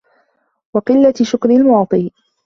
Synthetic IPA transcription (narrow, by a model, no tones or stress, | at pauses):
wɑqɨlːaʃʊkɾɪlmɑʕt̪ˤiː